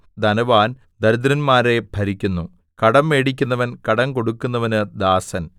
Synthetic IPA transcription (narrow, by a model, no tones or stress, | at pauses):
d̪ɐnɐʋaːn | d̪ɐɾud̪ɾɐnmaːɾe̞bʱɐɾikʲːunːu | kɐɽɐmːeːɽik̬ʲːunːɐʋɐnkɐɽɐŋko̞ɽukːunːɐʋɐnɨd̪aːsɐn